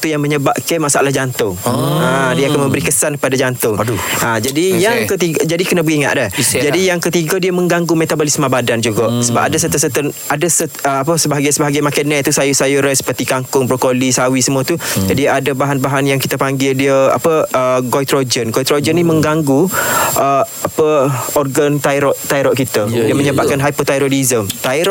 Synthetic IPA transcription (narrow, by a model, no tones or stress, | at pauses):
t̪ujaŋməɲəbap̚kɛmasaalahd͡ʒant̪ʊŋadiəakanmə̃mbəɾikəsankəpadad͡ʒant̪ʊŋdad͡ʒadijaŋkət̪iɡəd͡ʒadikənəbəɡiŋa̰ʔ̪dɛhd͡ʒadijaŋkət̪iɡadiəməŋɡaŋɡumet̪abolɪsmabadand͡ʒuɡaʔsəbap̚adas̬ət̪əsət̪ən | adəsəəapəsəbaɦaɡasəbaɦaɡajmakanɛt̪usajusajuɾɛsə̥pərt̪ikaŋkʊŋpɾokolisawisəmũət̪udiadəbaɦanbaɦanjaŋkit̪əpaŋɡɪldiəa̰pəəɡojt̪ɾod͡ʒənɡɔjt̪ɾod͡ʒənĩmə̃ŋɡaŋɡuʔə | apəɔrɡant̪aiɾɔʔt̪aiɾɔʔkit̪ədiəməɲəbaʔkanɦajpɔt̪ajɾoɾizəmt̪aiɾ